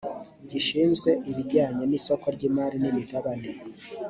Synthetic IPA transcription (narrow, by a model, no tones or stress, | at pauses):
ɟiʃiːnzɡwe̞ʔiβiɟaːɲeniso̞ko̞ɾɟiːmaːɾinimihaβane